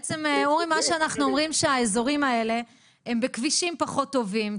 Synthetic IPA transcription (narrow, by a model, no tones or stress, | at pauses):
t͡semeuʁimːaʃeanaχnuomʁimʃeaezo̞ʁimae̞le̞ | embekviʃimpaχotːo̞vim